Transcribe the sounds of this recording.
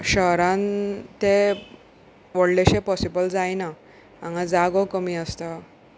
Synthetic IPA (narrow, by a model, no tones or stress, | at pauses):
ɕəɦɾãnt̪e | ʋəɽleɕepɔsibəld͡zajna | ãŋad͡zaɡɔkəmiːəst̪ə